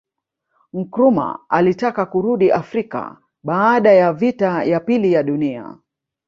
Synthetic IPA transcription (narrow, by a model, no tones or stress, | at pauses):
ŋ̩kɾuma̰alitakakuɾuɗiʔafɾika̰ | ɓaːɗajavitajapilijaɗunia̰